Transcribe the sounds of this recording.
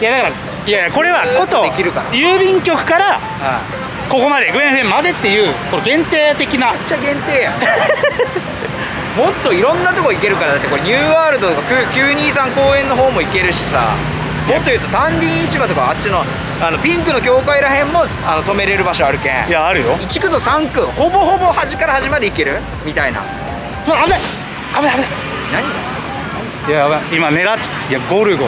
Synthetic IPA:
jad̪akaɾa | jajako̞ɾe̞βakot̪o̞ekʲiɾɯ̟kaɾa̰jɯːbʲĩŋkʲo̞kɯ̟̥kaɾa | ã | ko̞ko̞mad̪e̞ɡɯẽhẽmːad̪e̞t̪ːe̞jɯ̟ːkoeɡẽ̞nt̪e̞ːt̪e̞kʲinat͡ɕaɡẽ̞nt̪eːja | mo̞t̪ːo̞iɾõ̞nːat̪o̞kooike̞ɾɯ̟kaɾad̪at̪ːeko̞ɾeɲ̟ʲɨːaːɾɯ̟d̪ot̪okakʲɯːkʲɨːɲ̟iːsãŋko̞ːẽ̞nːo̞ɦo̞ːmo̞ike̞ɾɯ̟ɕi̥sa̰ | mot̪ːo̞jɯ̟ːt̪ot̪ãɲɾʲĩːit͡ɕibat̪okaːtt͡ɕino̞ | ano̞pʲĩŋkɯ̟no̞kʲo̞ːkaiɾaɦẽ̞mːo̞ | ano̞t̪o̞me̞ɾe̞ɾɯ̟baɕo̞aɾɯ̟kẽjaːɾɯjoit͡ɕi̥kɯ̟d̪o̞sãŋkɯ̟ho̞bo̞ho̞bo̞haʑikaɾahaʑimaɾiike̞ɾɯ̟ | mʲit̪aina̰ | maame | ameame | naɲ̟id̪a | jaimaned̪a | jaɡoɾɯ̟ɡo

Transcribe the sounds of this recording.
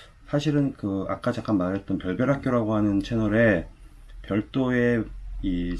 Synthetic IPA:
sʰaɕʰiɾɯnkɯa̰k͈ad͡ʑak͈anmaɾɦe̞t̚t͈ʌnpjʌɭbjʌɾɦak͈̚joɾaɡoɦanɯnt͡ɕʰenʌɾe̞ | pjʌɭt͈oe̞i

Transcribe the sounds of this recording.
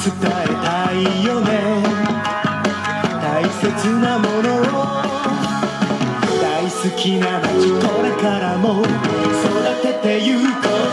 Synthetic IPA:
sɨt̪aet̪aijonẽ | t̪aise̞t͡sɨnamo̞no̞o | d̪̥aisɨkʲinaikoɾekaɾamosod̪at̪e̞t̪e̞jɯt̪o

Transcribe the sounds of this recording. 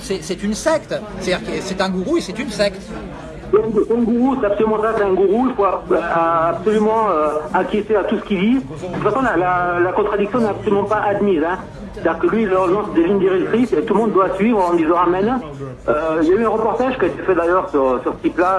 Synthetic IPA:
sɛsɛt̪ynsɛkt̪ | t̪ad̪iʁksɛt̪ɛ̃ɡuʁuesɛt̪ynsɛkt̪ | sɛɛ̃usɛ̃ɡuʁusɛt̪apsɔlymɑ̃saksɛɛ̃ɡuʁuilfoaː | psɔlymɑ̃øakʲjet̪eat̪usə̥kʲid̪i | usasɑ̃lalalakɔ̃t̪χad̪iksjɔ̃nɛt̪apsɔlymɑ̃paʔad̪mizɛ̃ | t̪ad̪iʁkəlɥilad̪ɑ̃ləʒɑ̃səd̪evind̪iʁɛkt̪χiset̪ulmɔ̃d̪d̪wasɥivʁɑ̃d̪izɑ̃amɛn | øiljayɛ̃ʁəpɔʁt̪aʒkʲiaet̪efɛd̪ajœʁsyʁsyʁsə̥t̪ipla

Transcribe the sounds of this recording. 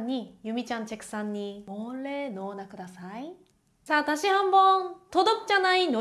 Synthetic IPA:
ɲːijumit͡ɕʰant͡ɕe̞k̚s͈aɲːimʌɭːe̞nʌnakʰɯdasʰaj | t͡ɕat̪aɕʰihambʌntodʌp̚t͡ɕ͈anaino

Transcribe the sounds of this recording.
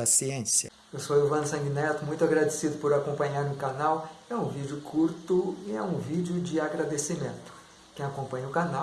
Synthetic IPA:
ɐsiẽsjɐ | ewsowiuwvɐ̃nsɐ̃ɡinɛt̪ʊmũj̃t̪ʊaɡɾad̪esid̪ʊpoɾakõpɐ̃ɲaɾnʊkanawɛũvid͡ʒʊkʰuɾt̪ʊɪɛũvid͡ʒʊd͡ʒɪaɡɾad̪esimẽnt̪ʊ̥ | kẽj̃akõpɐ̃ɲɐʊkana

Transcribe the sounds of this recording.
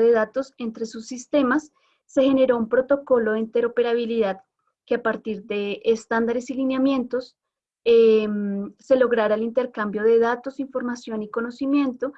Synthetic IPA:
ðeðat̪o̞se̞nt̪ɾe̞susːist̪e̞masː | e̞xe̞ne̞ɾo̞umpɾo̞t̪o̞ko̞lo̞ðeint̪e̞ɾo̞pe̞ɾaβ̞iliðað | keapaɾt̪iɾd̪e̞ːst̪and̪aɾe̞silinjamje̞nt̪o̞s | emse̞lo̞ɣɾaɾaelint̪e̞ɾkambjo̞ðe̞ðat̪o̞siɱfo̞ɾmasjo̞niko̞no̞simje̞nt̪o̞

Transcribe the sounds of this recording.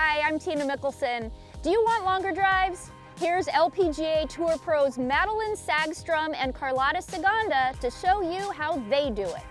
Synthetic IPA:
aɪãɪ̃mtʰĩnɨmɪkl̩ˠsɨ̃n | d̥ɨjɨwɑ̃nʔlɔ̃ŋɡə˞dɹaɪvz̥ | hiɹzɛlˠpʰid͡ʒieɪtʰuɹpʰɹ̥oʊzmæɾl̩ˠə̃nsæɡstɹ̥ʌ̃mɨ̃nkʰɑɹlɑɾɨsɨɡɑ̃ndəɾɨʃoʊjɨɦaʊðeɪdɨɪ̰t̚

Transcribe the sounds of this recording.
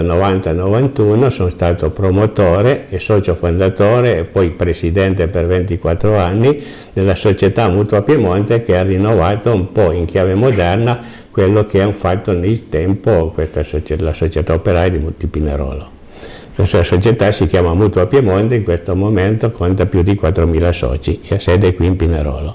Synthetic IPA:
novant̪anovant̪uːnosonst̪aːt̪opɾomot̪oːɾeesɔːt͡ʃofond̪at̪oːɾeːpːɔjpɾesid̪ɛnt̪epervent̪ikwat̪ːɾoanːi | d̪elːasot͡ʃet̪amuːt̪wapjemont̪ekearinːovaːt̪oumpɔiŋkjaːvemod̪ɛrna | kwelːok̟eaɱfat̪ːonelt̪ɛmpokwest̪asot͡ʃelasot͡ʃet̪aopeɾaːjad̪imut̪ipinḛɾɔ̰ːlo | sasuasot͡ʃet̪asikjaːmamut̪uapjemont̪eiŋkwest̪omoment̪okʰont̪apjud̪ikwat̪ːɾomiːlasɔ̰ːt͡ʃieaseːd̪ekwiːmpineɾɔ̰ːlo

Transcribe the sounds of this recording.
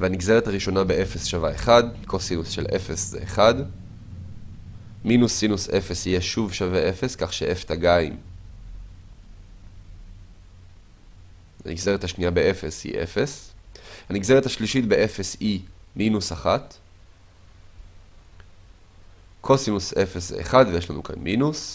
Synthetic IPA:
veaniɡzeʁethaʁiʃo̞nabe̞ʔefe̞sʃavaeχadkʰosinusʃelʔefe̞szḛːχad | minusːinusʔefesijeʃuvʃaveʔefe̞skaχʃeʔeft̪aɡaim | ha̰nḭɡzeʁet̪haʃniabeʔefe̞shḭʔe̞̰fe̞shaniɡzeet̪haʃliʃit̪be̞ʔefe̞siminusaχat | kʰosinuse̞fes̬zeʔːχadvejeʃlanṵkʰa̰nminus

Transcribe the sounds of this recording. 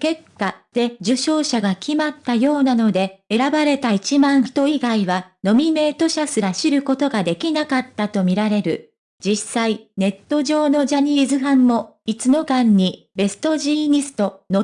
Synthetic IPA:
ke̞kːat̪e̞d͡ʑɨɕo̞ːɕaɡakʲimat̪ːajo̞ːnano̞d̪e̞e̞ɾabaɾe̞t̪ait͡ɕimãɰ̃ɸɯ̥t̪o̞iɡaiβano̞mʲime̞ːt̪o̞ɕasɨɾaɕiɾɯ̟ko̞t̪o̞ɡad̪e̞kʲinakat̪ːat̪o̞mʲiɾaɾe̞ɾɯ̟ | d͡ʑisaine̞t̪ːo̞ʑo̞ːno̞d͡ʑaɲ̟iːzɨɦãmːo̞it͡sɨno̞kãɲ̟ːi | be̞sɨ̥t̪o̞ʑiːɲ̟isɨ̥t̪o̞no̞

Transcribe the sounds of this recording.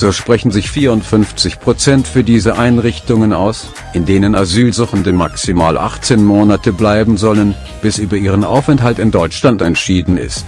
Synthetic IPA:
z̥oːʃpʁ̥ɛçn̩zɪçfiːɐʊntfʏnft͡sɪçpʁ̥ot͡sɛntfyːɐdiːzəʔaɪnʁɪçtʊŋənʔa̰ʊs | ʔɪndeːnənazyːlzʊχəndəmaksimaːlʔa̰χt͡seːnmoːnatəblaɪbm̩zɔlən | b̥ɪsʔyːbɐiːʁənʔa̰ʊfɛntɦaltɪndɔʏt͡ʃlantɛntʃiːdn̩ɪ̰st

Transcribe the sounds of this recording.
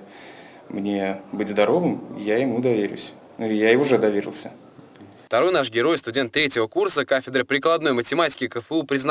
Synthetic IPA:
mnʲebɨtʲzd̪ɐɾo̞vɨmjajɪmud̪ɐvʲeɾʲʊ̰sʲ | nuɪjaɪʊʐɛd̪ɐvʲeɾʲɪ̰lˠsʲə | ft̪ɐɾo̞jnaʂɡʲɪɾo̞jst̪ʊdʲent̪ːɾʲetʲɪvəkursəkafʲɪd̪ɾəpɾʲɪklˠɐd̪no̞jmətʲɪmatʲɪ̥kʲɪkəfɨupɾʲɪzn

